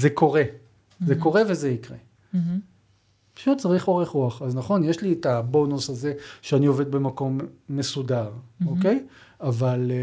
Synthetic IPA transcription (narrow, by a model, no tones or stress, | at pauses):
zeko̞ʁe̞ | zeko̞ʁe̞ve̞zeikʁe̞ | pḁʃut̚t͡saʁiχo̞ʁeχʁuaχaznaχo̞njeʃlietabo̞nusaze̞ʃeanio̞ved̪̚be̞mako̞mːe̞sudaʁoke̞javal